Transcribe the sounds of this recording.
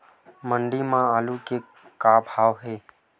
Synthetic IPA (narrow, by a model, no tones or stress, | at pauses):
məɳɖimãaːluke | kaːbʱaːʋɦeː